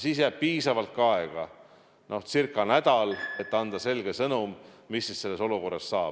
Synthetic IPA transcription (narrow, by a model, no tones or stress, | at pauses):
siːs̬jæb̥̚piːsɑvɑlt̪̚kɑeɡ̥ɑ | nʔo̞ht̪sirkːˑɑnæd̪̥ɑlet̪ːˑɑnd̪̥ɑse̞lɡ̥e̞sɤnum | misːisse̞lːe̞so̞luko̞rːɑssɑːb